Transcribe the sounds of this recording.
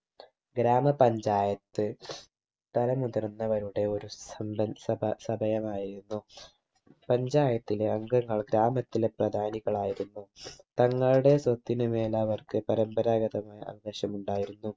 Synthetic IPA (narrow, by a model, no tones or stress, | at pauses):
ɡɾaːmɐpɐɲd͡ʑaːjɐt̪ːɨ | t̪ɐlɐmuðɐrnːɐʋɐɾuɽe̞o̞ɾusɐmɐsɐbɐsɐbʱɐjɐmaːjiɾunːu | pɐɲd͡ʑaːjɐt̪ːileɐŋɡɐŋːɐɭɡɾaːmɐt̪ːileprɐd̪ʱaːniɣɐɭaːjiɾunːut̪ɐŋːɐɭɽe̞swɐt̪ːinɨme̞ːlaːʋɐrkɨpɐɾɐmbɐɾaːɡɐðɐmaːjɐ̰ʔɐ̰ʋɐɡɐɕɐmuɳɖaːjiɾunːu